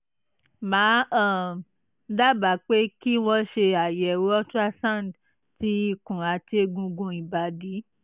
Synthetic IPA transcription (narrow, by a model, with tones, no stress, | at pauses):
mãː˨˦ã˦˨ | da˦ba˨˦k͡pe˦ki˦w̃ɔ̃˧ʃe˧a˨jɛ˨wɔ˦ta˦sã˦˨n˨d | ti˧˦i˧˨kũ˨a˨˧te˦ɡũ˧ɡũ˧i˨ba˨di˨˦